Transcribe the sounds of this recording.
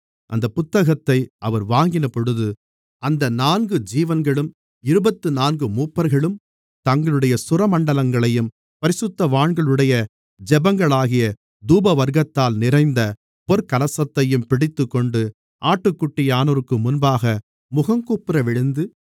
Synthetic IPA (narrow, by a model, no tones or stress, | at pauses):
ʔɐnd̪ɐpʊt̪ːɐɣɐt̪ːɐɪʔɐʋɐɾʋaːŋɡɪnɐpɔɽɯðɯ | ɐnd̪ɐnaːnɡɯd͡ʒiːʋɐnɡɐɭɯm | ɪɾɯbɐt̪ːɯnaːnɡɯmuːpːɐɾɣɐɭɯm | t̪ɐŋɡɐɭɯɽɐjɐsʊɾɐmɐɳɖɐlɐŋɡɐɭɐjɯm | pɐɾɪsɯt̪ːɐʋaːɳɡɐɭɯɽɐjɐ | d͡ʒɛbɐŋɡɐɭaːɣɪjɐ | d̪uːbɐʋɐɾɣɐt̪ːaːlnɪrɐɪnd̪ɐ | pɔɾkɐlɐsɐt̪ːɐjɯmpɪɽɪt̪ːɯkːɔɳɖɯ | ʔaːʈːɯkːʊʈːɪjaːnɐɾɯkːɯmʊnbaːɣɐ | mʊɣɐmkuːpːɪɾɐʋɪɻɯnd̪ɯ